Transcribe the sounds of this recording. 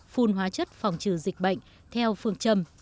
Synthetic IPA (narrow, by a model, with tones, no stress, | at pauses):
fu˧nɦwaː˨˦t͡ɕə˦˥t̚fa˨˩wŋ͡mt͡ɕɨ˧˩zï˨˩k̟̚ɓə̰˧˨jŋ̟ | t̪ʰɛ˧wfɨ˧əŋt͡ɕə˧m